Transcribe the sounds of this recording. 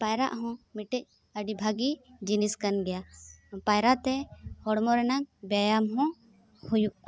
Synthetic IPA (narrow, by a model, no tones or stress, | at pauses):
pajɾa̰ʔɦɔ̃miʈɛc̚ | əɖibʱaɡid͡ʒiniskɐnɡɛjapajɾat̪ɛhɔɽmɔɾɛnak̚bjajamɦɔ̃ | hujuʔ̚